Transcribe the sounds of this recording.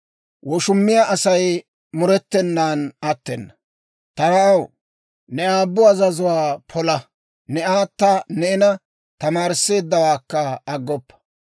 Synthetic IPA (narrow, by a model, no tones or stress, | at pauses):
wɔʃʊmːɪjaʔɐsɐj | mʊɾɛt̪ːɛnːaːnɐt̪ːɛnːɐ | t̪ɐɾɐɐw | nɛaːbːʊɐzɐzʊwaːpʰɔlɐ | nɛaːt̪ːɐnɛɪnɐ | t̪ɐmaːɾɪsːe̞ːd̪ːɐwaːkːɐːɡːɔpːɐ̥